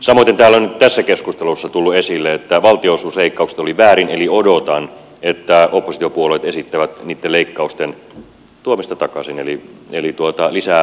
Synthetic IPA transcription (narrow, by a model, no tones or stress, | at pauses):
sɑmoit̪ːent̪æːlːæonyt̪t̪æsːækeskust̪elusːɑt̪ulːuesilːeet̪ːæʋɑlt̪iosuːsleikːɑukse̥t̪oliʋæːɾineliodot̪ɑn | et̪ːæopːosi̥t̪iopuoleit̪esit̪ːæʋæt̪niːt̪ːeleikːɑust̪en | t̪uomist̪ɑt̪ɑkɑsinelielit̪uot̪ɑlisæ